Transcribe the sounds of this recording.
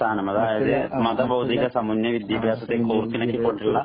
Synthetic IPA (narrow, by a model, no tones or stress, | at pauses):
t̪ʰaːnɐmɐðaːjɐðɨmɐðɐbɐwd̪ʱiɣɐsɐmunːjɐʋid̪jɐbʱjaːsɐt̪ːekoːrk̪ːinɐkʲːipːoɳʈiɭːɐ